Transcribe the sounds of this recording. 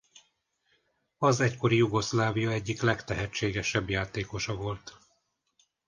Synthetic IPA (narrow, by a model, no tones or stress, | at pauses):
ɒzɛcko̞ɾijuɡo̞slaːvijɒɛɟːiklɛkt̪ɛɦɛt͡ʃːeːɡɛʃɛbjaːt̪eːko̞ʃɒvo̞lt̪